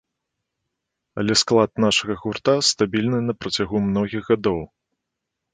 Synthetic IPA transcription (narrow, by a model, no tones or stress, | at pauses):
ɐ̰lʲɛsklˠat̪naʂɐɣɐɣurt̪ast̪abʲilʲnɨnɐpɾɐt͡sʲaɣumnɔɣʲiɣɣad̪ɔw